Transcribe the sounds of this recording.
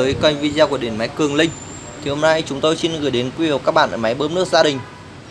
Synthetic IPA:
əː˨˦jkwa˧jŋvi˧zaː˧ku˧˩əɗe˧˩nma˨˦jkɨ˨˩əŋlï˧ŋ̟ | t̪ʰi˨˩ho˧mna˧jt͡ɕʊ˨˦ŋ͡mt̪o˧jsi˧nɣɨ˧˩jɗe˨˦nkwi˧i˨˩w̚kaː˦˥k̚ɓa̰ː˧˨ʔəː˧˩ma˨˦jɓəː˨˦˥m̚nɨ˦˥ək̚zaː˧ɗï˨˩ŋ̟

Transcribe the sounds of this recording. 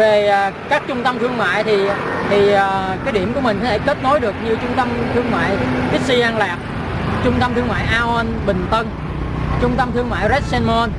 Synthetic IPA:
ve˨˩˨kaː˦˥k̚t͡ɕʊ˧ŋ͡mt̪ə˧mt̪ʰɨ˧əŋma̰ː˧˨jt̪ʰi˨˩t̪ʰi˨˩əː˨˩kaː˨˦jɗi˧˩əmku˧˩əmï˨˩ŋ̟kɔ˨˦t̪ʰe˧˩ke˦˥t̚no˨˦jɗɨ˨˩ək̚ɲɨ˧t͡ɕʊ˧ŋ͡mt̪ə˧mt̪ʰɨ˧əŋma̰ː˧˨jʔi˦˥si˧ʔaː˧nlaː˨˩p̚ | t͡ɕʊ˧ŋ͡mt̪ə˧mt̪ʰɨ˧əŋma̰ː˧˨jʔaː˧ʔɔ˧nɓï˨˩ŋ̟t̪ə˧n | t͡ɕʊ˧ŋ͡mt̪ə˧mt̪ʰɨ˧əŋma̰ː˧˨jzɛ˦˥t̚sɛ˧nmo˧n

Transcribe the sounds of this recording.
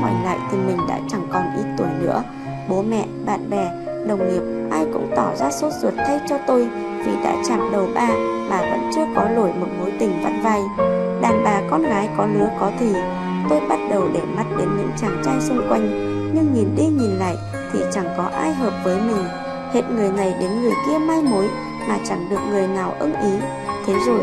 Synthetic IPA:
kɔ̰˨˩jŋla̰ː˧˨jt̪ʰi˨˩mï˨˩ŋ̟ɗa̰ː˧˥t͡ɕa˧˩ŋkɔ˨˩nʔi˨˦˥t̚t̪u˨˧˩əjnɨ̰˧˥ə | ɓo˨˦mɛ̰˧˨ɓa̰ː˧˨nɓɛ˨˩ | ɗə˨˩wŋ͡mŋi˨˩əp̚ʔaː˧jkʊ̰˧˥ŋ͡mt̪ɔ˧˩zaː˧so˦˥t̚zə˨˩t̚t̪ʰa˧jt͡ɕɔ˧t̪o˧j | vi˨˩ɗa̰ː˧˥t͡ɕaː˧˩mɗə˨˩wɓaː˨˩maː˨˩və̰˧˥nt͡ɕɨ˧əkɔ˨˦lo˧˩jmo˨˩t̚mo˨˦jt̪ï˨˩ŋ̟va˦˥t̚va˧˩jɗaː˨˩nɓaː˨˩kɔ˧nɣaː˨˦jkɔ˨˦lɨ˨˧˦əkɔ˨˦t̪ʰi˨˩ | t̪o˧jɓa˦˥t̚ɗə˨˩wɗe˧˩ma˦˥t̚ɗe˨˦nɲɨ̰˧˥ŋt͡ɕaː˨˩ŋt͡ɕaː˧jsʊ˧ŋ͡mkwa˧jŋ̟ | ɲɨ˧ŋɲi˨˩nɗi˧ɲi˨˩nla̰ː˧˨j | t̪ʰḭ˨˩t͡ɕa˧˩ŋkɔ˨˦ʔaː˧jɦəː˨˩p̚vəː˨˦jmï˨˩ŋ̟ | hḛ˧˨t̚ŋɨ˨˩əjna˨˩jɗe˨˦nŋɨ˨˩əjki˧əmaː˧jmo˨˦j | maː˨˩t͡ɕa˧˩ŋɗɨ˨˩ək̚ŋɨ˨˩əjnaː˨˩wʔə̰˧nʔi˨˦ | t̪ʰe˨˦zo˨˩j

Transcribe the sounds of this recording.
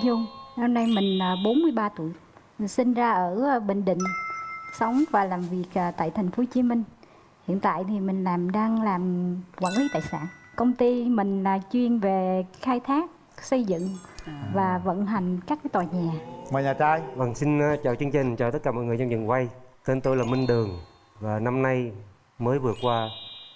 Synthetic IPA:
zu˧ŋnə˧wna˧jmï˨˩ŋ̟aː˨˩ɓo˨˦nmɨ˧əjɓaː˧t̪u˧˩əj | sï˧nzaː˧ʔəː˧˩˧ɓḛ̈˧˨ŋ̟ɗḭ̈˧˨ŋ̟sə˨˦wŋ͡mvaː˨˩laː˨˩mvi˨˩ək̚ʔːt̪a̰ː˧˨jt̪ʰa˨˩jŋ̟fo˨˦t͡ɕi˨˦mï˧ŋ̟ | hḭ˧˨ənt̪a̰ː˧˨jt̪ʰi˨˩mï˨˩ŋ̟laː˨˩mɗaː˧ŋlaː˨˩mkwaː˧˥˩nli˨˧˦t̪a̰ː˧˨jsa̰ː˧˨nkə˧wŋ͡mt̪i˧mï˨˩ŋ̟laː˨˩t͡ɕwi˧ənve˨˩xaː˧jt̪ʰaː˦˥k̚ | sə˧jzɨ̰˧˨ŋvaː˨˩və̰˧˥˨nɦa˨˩jŋ̟kaː˦˥k̚kaː˨˦jt̪waː˨˩ɲaː˨˩maː˨˩jɲaː˨˩t͡ɕaː˧jvə˧˩ŋsi˧n˧t͡ɕaː˨˩wt͡ɕɨ˧əŋt͡ɕï˨˩ŋ̟t͡ɕaː˨˩t̪̚kaː˧˩mɔ̰˧˨jŋɨ˨˩əza˧ŋ͡mɲɨ̰˨˩ŋkwa˧jt̪e˧nt̪o˧jlaː˨˩mi˧ŋɗɨ˨˩əŋ | vaː˨˩na˧mna˧j | məː˨˦jvɨ˨˩ət̚kwaː˧

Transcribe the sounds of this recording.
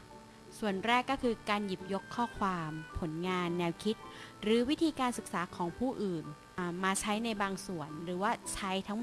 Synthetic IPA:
su˨˩ənɾɛː˥˩kːɔː˥˩kʰɯː˧kaː˧nji˨˩p̚jo˦˥kʰːɔː˥˩kʰwaː˧mpʰo˩˦nŋaː˧nːɛː˧wkʰi˦˥t̪̚ɾɯː˩˦wi˦˥t̪ʰiː˧kaː˧nsɯ˨˩k̚saː˩˦kʰɔː˩˦ŋpʰuː˥˩ʔɯː˨˩n | ʔmaː˧t͡ɕʰa˦˥jna˧jbaː˧ŋsu˨˩ənɾɯː˩˦waː˥˩t͡ɕʰa˦˥jt̪ʰa˦˥ŋm

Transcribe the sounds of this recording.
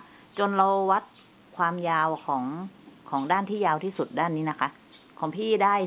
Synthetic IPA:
t͡ɕo˧nla˧wwa˦˥t̪̚ | kʰwaː˧mjaː˧wkʰɔː˩˦ŋkʰɔː˩˦ŋdaː˥˩nt̪ʰiː˥˩jaː˧wt̪ʰiː˥˩su˨˩t̪̚daː˥˩nːiː˦˥na˦˥kʰa˦˥ʔ | kʰɔː˩˦ŋpʰiː˥˩daː˥˩j

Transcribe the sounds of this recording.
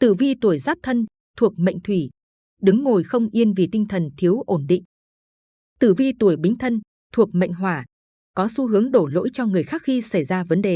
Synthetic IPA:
t̪ɨ˧˩vi˧t̪u˧˩əjzaː˦˥p̚t̪ʰə˧n | t̪ʰu˨˩ək̚mə̰˧˨jŋ̟t̪ʰwi˧˩ | ɗɨ˨˦ŋːo˨˩jxə˧wŋ͡mʔi˧ənvi˨˩t̪ï˧ŋ̟t̪ʰə˨˩nt̪ʰi˨˦əwʔo˧˩nɗḭ˧˨ŋ̟ | t̪ɨ˧˩vi˧t̪u˧˩əjɓï˨˦ŋ̟t̪ʰə˧n | t̪ʰu˨˩ək̚mə̰˧˨ŋ̟ɦwaː˧˩ | kɔ˨˦su˨˦ɦɨ˨˦əŋɗo˧˩lo̰˧˥jt͡ɕɔ˧ŋɨ˨˩əjxaː˦˥k̚xi˧sa˧˩jzaː˧və˨˦nɗe˨˩

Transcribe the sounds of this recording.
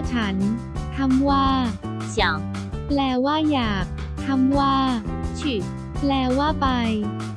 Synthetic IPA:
t͡ɕʰa˦˥n | t̪ʰa˧˥mwaː˥˩ | ja˨˩˦ŋ | plɛː˧˩waː˥˩jaː˨˩k̚ | t̪ʰa˧˥mwaː˥˩t͡ɕʰi˨˩t̪̚ | plɛː˧˩waː˥˩pa˧j

